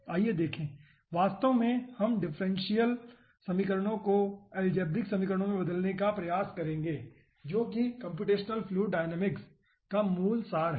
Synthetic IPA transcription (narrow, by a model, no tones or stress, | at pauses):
aːijed̪eːkʰẽː | ʋaːst̪omẽhɐmɖɪfʰɾɛ̃nʃijəl | sɐmikəɾəɽ̃õkoɛːld͡ʒeːb̚d̪ɪksɐmikəɾəɽ̃õmẽbɐd̪əlnekapɾɐjaːskɐɾẽːŋɡeː | d͡ʒoːkikɐ̃mp̬juːʈeːʃnəlpʰluːɖaːɪnɛːmɪks | kamuːlsaːɾɦ